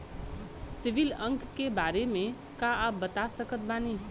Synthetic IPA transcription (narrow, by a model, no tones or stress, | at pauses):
siʋiləŋkkebaɾeme | kaap̚bːət̪asəkət̪̚bani